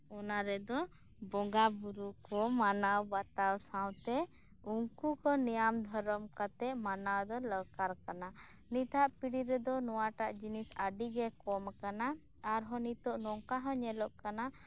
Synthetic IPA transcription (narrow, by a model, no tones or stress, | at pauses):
ɔnaɾɛd̪ɔ | bɔŋɡabuɾukɔmanawbat̪awsawt̪ɛ | uŋkukɔnijamd̪ʱɔɾɔmkat̪ɛʔmanawd̪ɔləɾkaɾkana | nit̪aʔpiɽiɾɛd̪ɔnɔwaʈaʔd͡ʒinisaɖiɡɛkɔmkanaː | ɾɦɔnit̪ɔʔnɔŋkaɦə̃ɲɛlɔʔkana